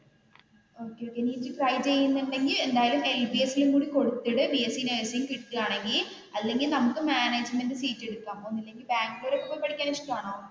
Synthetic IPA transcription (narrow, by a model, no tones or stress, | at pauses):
o̞ːkːeoːkːeniɨkrɐjt͡ɕe̞jːunːɨɳɖe̞ŋɡile̞nd̪aːjɐlume̞lbiesːiluŋkuːɽiko̞ɽut̪ːiɽɨbiesinɐjsijŋkiɽt̪ːɨaːɳe̞ŋɡil | ɐlːe̞ŋɡilnɐmukːɨmaːneːd͡ʑmenɖɨsiːtːe̞ɽukːaːmonːɐlːe̞ŋɡilbaːŋɡɨloːɾokːɐpːopːɐɽikʲːaːniʂʈɐmaːɳoː